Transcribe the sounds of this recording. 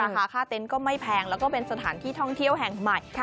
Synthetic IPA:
aː˧aː˩˦kʰaː˥˩t̪e˧nkɔː˥˩ma˥˩jpʰɛː˧ŋlɛː˦˥wkɔː˥˩pe˧nsa˧t̪ʰaː˩˦nt̪ʰiː˥˩t̪ʰɔ˥˩ŋt̪ʰi˥˩əwɦɛ˨˩ŋma˨˩j

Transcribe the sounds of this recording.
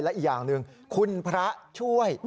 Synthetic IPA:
jlɛ˦˥ʔiː˨˩jaː˨˩ŋnɯ˨˧ŋ | kʰu˧npʰɾa˦˥ʔt͡ɕʰu˥˩əj

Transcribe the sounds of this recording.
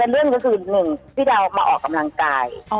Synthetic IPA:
t̪ɛː˨˩lɯ˥˩əŋkɔ˧kʰɯː˧nɯ˨˩ŋpʰiː˥˩da˧wmaː˧ʔɔ̰ː˨˩kːa˧mla˧ŋkaː˧j

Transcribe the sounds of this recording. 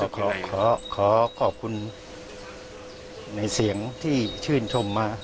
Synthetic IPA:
ɔ˨˦kʰɔː˨˦kʰɔː˨˦kʰɔː˩˦kʰɔː˨˩p̚kʰu˧n | na˧jsi˩˦əŋt̪ʰiː˥˩t͡ɕʰɯː˥˩nt͡ɕʰo˧mːaː˧

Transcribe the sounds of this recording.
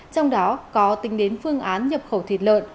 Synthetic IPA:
t͡ɕɔ˧wŋ͡mɗɔ˨˦kɔ˨˦t̪ï˨˦ŋ̟ɗe˨˦nfɨ˧əŋʔaː˨˦nɲə˨˩p̚xə˧˩wt̪ʰi˨˩t̚lə̰ː˧˨n

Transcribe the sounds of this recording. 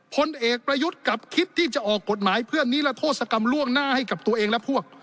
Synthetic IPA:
pʰo˧nʔeː˨˩k̚pɾa˧ju˦˥t̪̚ka˨˩p̚kʰi˦˥t̪ʰːiː˥˩t͡ɕa˨˩ʔɔː˨˩kːo˨˩t̪̚maː˩˦jpʰɯ˥˩ənːiː˦˥lɛ˦˥t̪ʰoː˥˩t̪̚sa˧ka˧mlu˥˩əŋnaː˥˩ha˥˩jka˨˩p̚t̪u˧ʔeː˧ŋlɛ˦˥pʰu˥˩ək̚

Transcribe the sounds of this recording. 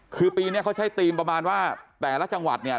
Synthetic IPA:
kʰɯː˧piː˧ni˦˥ɐkʰa˦˥˩t͡ɕʰa˦˥˩jt̪iː˧mpɾa˧maː˧nwaː˥˩t̪ɛː˨˩la˦˥˩t͡ɕa˧ŋwa̰˨˩t̪̚ni˥˩

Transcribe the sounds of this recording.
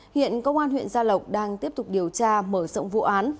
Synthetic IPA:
hḭ˧˨ənkə˧wŋ͡mʔaː˧nhwḭ˧˨ənzaː˧lə˨˩wk͡p̚ɗaː˧ŋt̪i˦˥əp̚t̪ʊ˨˩k͡p̚ɗi˨˩əwt͡ɕaː˧məː˧˩zə̰˧˨ŋ͡mvṵ˧˨ʔaː˨˦n

